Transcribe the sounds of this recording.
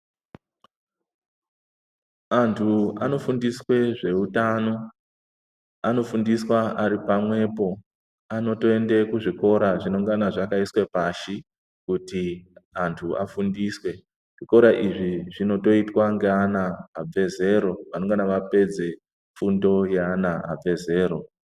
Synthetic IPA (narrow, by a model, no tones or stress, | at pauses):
antʰuano̞fundiswe̞ʐe̞utano̞ | ano̞fundiswaʔaɾipamwe̞po̞ | ano̞to̞e̞nde̞kuʐiko̞ɾaʐino̞ŋɡanaʐakaiswe̞paʃi | kutiantʰua̰fundiswe̞ | ʐ̥iko̞ɾaʔiʐiʐino̞to̞itwaŋɡeanaːb͡ve̞ze̞ɾo̞ʋano̞ŋɡanaʋape̞d͡ze̞ | fundo̞jeanaa̰b͡ve̞ze̞ːɾo̞